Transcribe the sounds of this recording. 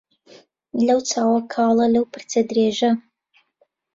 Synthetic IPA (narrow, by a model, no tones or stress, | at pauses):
lɐwt͡sʰaːwɐkʰɑːlˠɐlɐwpʰɨrt͡sʰɐd̪ɾeːʒɐ